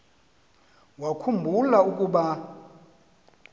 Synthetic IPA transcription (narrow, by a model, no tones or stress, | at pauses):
wakʰumbʱulaukʼuɓa